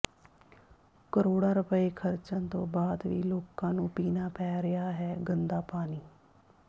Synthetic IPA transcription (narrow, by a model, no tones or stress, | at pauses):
kəɾoːɽãːɾʊpəeːkʰəɾt͡ʃãnt̪õːbaːd̪ʋḭːloːkãːnũːpiːnaːpɛːɾɪjaːɦɛːɡənd̪aːpaːniː